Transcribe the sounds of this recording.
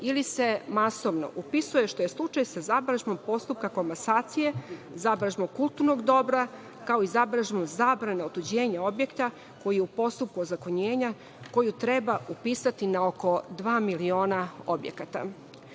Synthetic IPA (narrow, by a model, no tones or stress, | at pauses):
ilise̞masoʋno̰ʔupisuje̞ʃt̪o̞jeslˠut͡ʃajsazabɾaʒmo̞mpo̞st̪up̚kako̞mbasaːt̪sije̞zabɾaʒmokulˠt̪uɾnoɡd̪o̞bɾa | kao̞izabɾaʒmomzaːbɾaneot̪ud͡ʑe̞ːɲao̞bje̞kt̪a | ko̞jijeupo̞st̪up̚kuozakoɲeːɲa | ko̞jut̪ɾebaupiːsat̪inaoko̞d̪ʋaːmilio̞ːnaobjḛkat̪a̰